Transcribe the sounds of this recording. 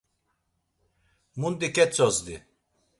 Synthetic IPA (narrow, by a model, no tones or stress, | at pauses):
mund̪ikʲɛt͡sɔzd̪ḭ